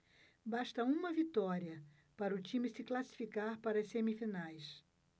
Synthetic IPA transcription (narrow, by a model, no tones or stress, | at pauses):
baʃt̪ɐũmɐvit̪ɔɾiɐ | paɾɐʊt͡ʃĩmɪsɪklasi̥fikaɾpaɾɐsemifinajs